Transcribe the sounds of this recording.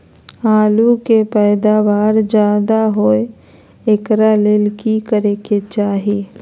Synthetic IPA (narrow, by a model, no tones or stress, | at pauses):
aːlukepɛːd̪aʋaːɾd͡ʒaːd̪aɦoe | ekɾalelkikəɾeket͡ʃaːɦeː